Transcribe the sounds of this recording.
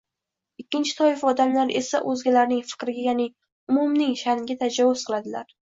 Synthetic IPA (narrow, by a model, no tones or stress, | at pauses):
ɪkʲːɪnt͡ʃʰɪ̥t̪ʰɒjɪfɒd̪amlaɾe̞̰sa̰ʔɵzɡʲalaɾnɪŋfɪ̥kɾɪɡʲajanɪ | ʊmumnɪŋʃanɡʲat̪ʰad͡ʒavʊz̥qɨlˠad̪ɪlaɾ